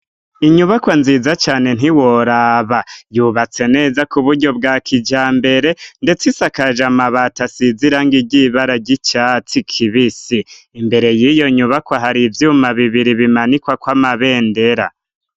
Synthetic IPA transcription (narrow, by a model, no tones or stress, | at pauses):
iɲuβakwanziːzat͡ʃaːne̞n̥ɦiwoɾaβajuβat͡se̞ne̞ːzakuβuɾɟo̞bɡaːkʰid͡ʒaːmbe̞ɾe̞nde̞t͡sisakaʒamaβatasiziɾaŋɡiɟiβaɾaɟit͡ʃat͡sikʰiβisiː | mbe̞ɾe̞jijo̞ɲuβakwaɦaɾivjumaβiβiɾiβimanikwakwamaβe̞ːnde̞ɾa